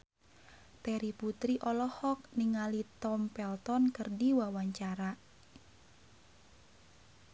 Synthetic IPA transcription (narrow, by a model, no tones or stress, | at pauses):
t̪ɛɾiput̪ɾiʔɔlɔhɔk̚niŋalit̪ɔmpɛlt̪ɔnkərdiwawaɲt͡ʃaɾa